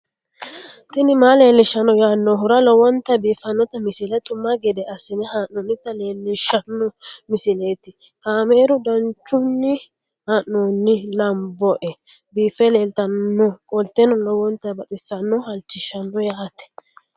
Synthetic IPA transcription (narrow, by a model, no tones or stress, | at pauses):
t̪ɪnɪmaːle̞ːlːɪʃːɐnːɔjaːnːɔɦʊɾɐlɔwɔnt̪ɐbiːfːɐnːɔt̪ɐmɪsɪlɛt̪ʼʊmːaɡɛd̪ɛɐsɪnɛhaːnnoːnːɪt̪ːɐleːlːɪʃɐnːɔmɪsɪleːt̪ɪ | kaːmeːɾʊd̪ɐnt͡ʃːʊnːɪ | haːʔnoːnːɪlɐmbɔʔɛbiːfːɛleːlt̪ɐnːɔkʼɔlt̪enɔlɔwɔnt̪ɐbɐt̪ʼɪsːɐnːɔhɐlt͡ʃːɪʃːɐnːɔjaːt̪ɛ̥